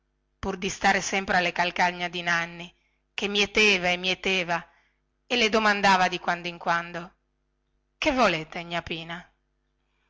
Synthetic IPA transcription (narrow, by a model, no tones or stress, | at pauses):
purd̪ist̪aːɾesɛmpɾealːekalkaɲːad̪inanːi | k̟emːiet̪eːvaemːiet̪eːva | elːed̪omand̪aːvad̪ikwand̪oiŋkwand̪o | kevːoleːt̪eɲapiːna